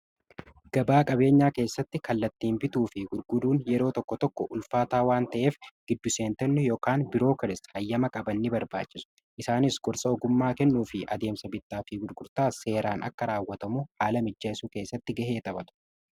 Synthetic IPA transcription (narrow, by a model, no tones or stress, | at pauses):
ɡ̥ɐbaːkʼɐbe̞ːɲːaːke̞ːsːɐt̪ːɪkɐlːɐt̪ːiːmbɪt̪uːfɪɡʊɾɡʊd̪uːnjɛɾo̞ːt̪ɔkːɔt̪ɔkːɔʔʊlfaːt̪aːwaːnt̪ɐʔe̞ːfɡ̥ɪd̪ːʊse̞ːnt̪ɐnːʊjoːkaːnbɪɾo̞ːkɐɾɪshɐjːɐmɐkʼɐbɐnːɪbɐɾba̰ːt͡ʃʼːɪsʊ̥ | ʔɪsaːnɪsɡ̥ɔɾsɐɔɡʊmːaːkɛnːuːfɪʔɐ̰d̪e̞ːmsɐbɪt̪ːaːfiɡʊɾɡʊɾt̪aːse̞ːɾaːnʔɐ̰kːɐɾaːwːɐt̪ɐmuhaːlɐmɪd͡ʒːaːsuːke̞ːsːɐt̪ːɪɡɐɦe̞ːt̪ʼɐbɐt̪ʊ̥